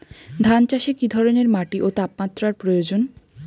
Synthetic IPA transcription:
d̪ʱant͡ɕaʃekid̪ʱɔɾoneɾmaʈiʔot̪apmat̪ːɾaɾpɾojod͡ʑon

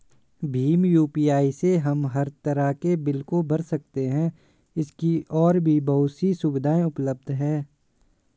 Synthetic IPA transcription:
bʱiːmjuːpiːaːiseɦɐmɦɐɾt̪ɐɾakebɪlkobɐɾsɐk̚t̪eɦɛ̃ | ɪskiʔɔːɾbʱibɐɦʊt̪sisʊbɪd̪ʱaːẽʊpləb̚d̪ʱɦɛ̃ː

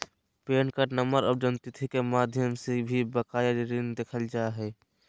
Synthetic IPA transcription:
peːnkəɾnəməɾɔːbd͡ʒənt̪it̪ʰikemaːd̪ʱjəmsebʱibəkaːjəɾɾind̪eːkʰəld͡ʒaːeɦɛ

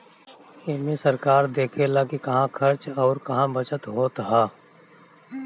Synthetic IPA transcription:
ɪnmẽsɐɾkaːɾd̪eːkʰelaːkikɐɦãkʰɐɾt͡ʃɔːɾkɐɦãbɐt͡ʃət̪ɦoːt̪ɦaː

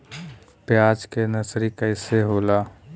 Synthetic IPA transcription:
pjaːd͡ʒkenəsɾikəɪseɦoːlaː

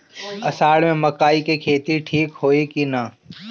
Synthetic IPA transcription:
ɐsaːɽmẽmɐkaːikekʰeːt̪iʈʰiːkɦoːekina

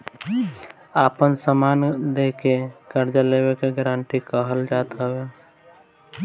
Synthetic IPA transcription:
aːpənsəmaːnd̪eːkekəɾd͡ʒəleːwekeɡəɾãɳʈ̪ikəɦəld͡ʒaːt̪ae

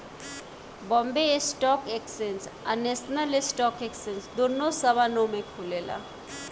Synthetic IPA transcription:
bɔmbeesʈɔkeksensanesnəlesʈɔkeksensd̪onosəbʱanɔmekʰulela̰

